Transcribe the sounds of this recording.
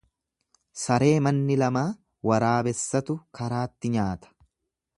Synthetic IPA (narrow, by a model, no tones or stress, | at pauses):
sɐɾe̞ːmɐnːɪlɐmaː | wɐɾaːbɛsːɐt̪ʊkʰɐɾaːt̪ːɪɲaːt̪ɐ̥